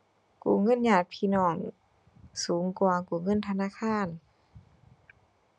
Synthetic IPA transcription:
kṵː˨˧˩ŋɤ˧˥˨njaː˧˩t̪̚pʰiː˧˥˨nɔː˧˩ŋ | suː˨˩˦ŋkwaː˧˨˧kuː˨˩ŋɤ˧˥˨nt̪ʰnaː˧˥˨kʰaː˧˥˨n

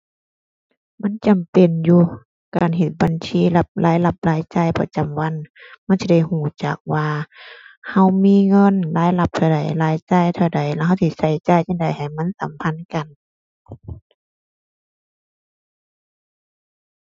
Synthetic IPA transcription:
ma˧˥˨nt͡ɕa˨mpe˨njuː˧ | kaː˨nɦe˧˩t̪̚ba˨nsʰiː˧˥˨la˧p̚laː˨˦jla˧˩p̚laː˧˥˦jt͡ɕa˧˩˨jpa˧t͡ɕa˨mwa˧˥˨nma˧˥˨nsi˧da˧˩˨jhuː˧˩t͡ɕa˨˩k̚waː˧ | ha˧˩wmiː˧˥˨ŋɤ˧˥˨nlaː˨˧˦jla˧˦p̚t̪ʰa˧˩da˨˩jlaː˧˦jt͡ɕa˧˩˨jt̪ʰa˧˩wda˨˩jlɛ˧ɦa˧wt̪ʰi˧˩sa˧˩jt͡ɕaː˧˨jt͡ɕa˧˨nda˨jha˨jma˧˥˨nsa˨˧˦mpʰa˧˥˨nka˨n

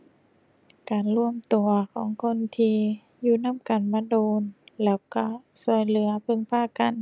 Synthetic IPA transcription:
kaː˨nlu˧˩əmt̪u˨˩ɐkʰɔː˩˦ŋkʰo˧˥˨nt̪ʰiː˧ | juː˧˨na˧˥˨mka˨˩nmaː˧˥doː˧nlɛː˧˥˩wka˧˩sɔː˨˧˩jlɯ˩˦ɐpʰɤ˧˨ŋpʰaː˧˥˨ka˨n

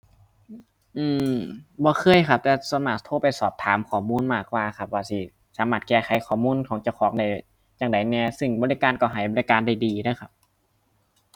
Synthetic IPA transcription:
ʔɯː˧˩bɔː˧˦xʰɤː˧˥˨jkʰa˧˩p̚t̪ɛː˧˩sa˨˧˦maː˧˩k̚t̪ʰoː˧˩pa˨˩jsɔː˨˩p̚t̪ʰaː˨˦mkʰɔː˨˩muː˧˥˨nmaː˧˩k̚waː˧kʰa˧˩p̚waː˧si˧˩ | saː˨˦maː˧˩t̪̚kɛː˧˩xʰa˨˦jkʰɔː˨˩muː˧˥˨nkʰɔː˨˦ŋt͡ɕa˧˩˨wxʰɔː˨˦ŋda˧˩j | jaː˧˩ŋda˨˩jnɛː˧˩sɯ˧˩ŋbɔː˧li˧kaː˧˨nkɔː˧˩ɦa˨˩jbɔ˧˦li˧kaː˧˨nda˧˩jdiː˨˩dɤː˧˩˨kʰa˧˩p̚

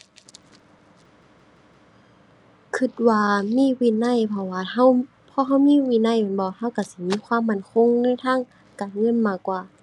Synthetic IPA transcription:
kʰɯ˧˩t̪̚waː˧miː˧˥˨wiː˧˨na˧˥˨jpʰɔ˧˩waː˧˩ha˧˥˨w | pʰɔː˧˨ɦa˧˩˨wmiː˧˥˨wiː˧˨na˧˥˩jnbɔː˧˦ha˧˥˨wka˧˩si˧˦miː˧˨kʰwaː˧˥˨mːa˧˩˨nkʰo˧˥˨ŋnɯː˧˥˨t̪ʰaː˧˥˨ŋ | kaː˨nŋɤ˧˥˨nmaː˧˩kːwaː˧˩

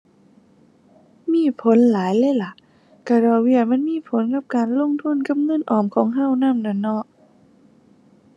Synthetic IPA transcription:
miː˧˥˨pʰo˨˦nlaː˨˦jlɛː˧˥˩la˧˦ | ka˧˩ɾɔː˧˩wi˧˩əma˧˥˨nmiː˧˥˨pʰo˨˦nka˧˥˩p̚kaː˨nlo˧˥˨ŋt̪ʰu˧˥˨nka˧˥˨p̚ŋɤ˧˥˨nʔɔː˨˩mkʰɔː˨˦ŋɦa˧˥˩wna˧˥˨mnɔ˧˩nɔ˧˥

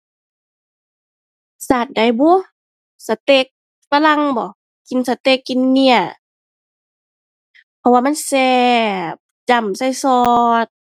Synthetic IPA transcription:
saː˧˩t̪̚da˨˩jbɔ˧˦ | sa˧˦t̪e˧˦k̚ | fa˧la˧ŋbɔ˨˦ | ki˨˧˨nsa˧t̪e˧˦kːi˧˨nːi˧ɐ | pʰɔ˧waː˧˨ma˧˥˨nsɛː˧ | t͡ɕa˧˩msa˧˩jsɔː˧t̪̚

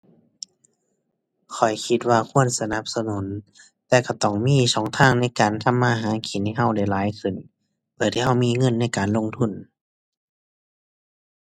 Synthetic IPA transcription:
kʰɔ˨˩jkʰi˧˦t̪̚waː˧kʰu˧˥˨ənsa˧na˧˦p̚sa˧nu˨˦n | t̪ɛː˧ka˧˩t̪ɔ˧˩ŋmiː˧˥˨sɔː˨˦ŋt̪ʰaː˧˥˨ŋna˧˥˩jkaː˨˩nt̪ʰa˧˥˨mːaː˧˩˨ɦaː˨˦kʰiː˨˩˦na˧˩˨ɦa˧˩˨wda˧˩jlaː˨˦jkʰɯ˧˩n | pʰɯ˧˨˩t̪ʰi˧˩ɦha˧˩wmiː˧˨ŋɤ˧˥˨nːa˧˥˩jkaː˨nlo˧˥˨ŋt̪ʰu˧˥˩n

